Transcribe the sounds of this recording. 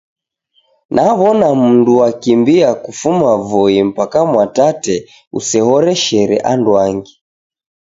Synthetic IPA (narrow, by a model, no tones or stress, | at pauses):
nʔaβɔnam̩nduwakimbiakufumavɔim̩pakamwatatɛ | ṵsɛhɔɾɛʃɛɾɛ̰ʔandwaŋɡi